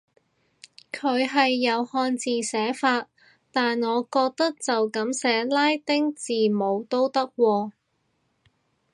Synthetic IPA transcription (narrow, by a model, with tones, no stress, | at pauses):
kʰɵ˨˧˥ɥɦɐ˨jːɐ˨˧whɔː˧nt͡siː˨sɛː˨˥faː˧t̚ | t̪aː˨nŋɔː˨˧kɔː˧k̚t̪ɐ˥k̚t͡sɐ˨wkɐ˨˥msɛː˨˥laː˥jt̪ɪ˥ŋt͡siː˨mo˨˧wt̪o˥wt̪ɐ˥k̚wɔː˧